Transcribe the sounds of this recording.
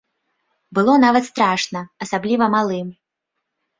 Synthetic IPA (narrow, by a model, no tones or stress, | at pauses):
bɨlˠɔnavɐt̪st̪ɾaʂnɐɐsablʲivɐmalˠɨm